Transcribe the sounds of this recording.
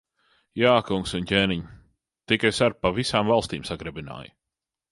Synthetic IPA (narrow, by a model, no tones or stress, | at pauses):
jaːkuŋksuncʲeːniɲ | t̪ikasaɾpːavisaːmvalˠst̪iːmsaɡɾɛbina̰ːj